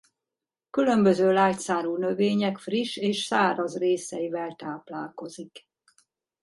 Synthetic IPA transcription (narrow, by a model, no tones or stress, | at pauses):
kylømbøzøːlaːt̪saːɾuːnøveːɲɛkfriʃeːʃsaːɾɒzreːsɛivɛlt̪aːplaːlko̞zik